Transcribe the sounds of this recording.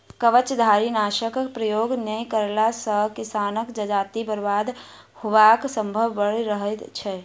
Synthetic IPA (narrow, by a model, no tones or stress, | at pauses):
kəʋət͡ʃd̪ʱaːɾinaːʃəkpɾəjoːɡnəĩkəɾlasəkɪsaːnəkd͡ʒəd͡ʒaːt̪ibəɾbaːd̪ | hʊʋaksə̃mbʱəʋbəɽɾəɦət̪t͡ʃʰɛ